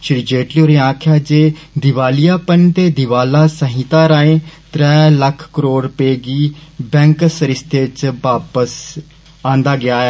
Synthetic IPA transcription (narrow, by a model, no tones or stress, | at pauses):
ʃɪɾd͡ʒeːʈlioːɾẽːãːkʰjaːd͡ʒeːd̪ɪʋaːlijaːpənt̪eːd̪ɪʋaːlaːsəɦĩt̪ãːɾaːẽːt̪ɾɛːləkʰkəɾoːɽpeːɡiːbɛ̃ːŋksəɾɪst̪eːt͡ʃbaːpəs | ãːnd̪aːɡɪaːɛː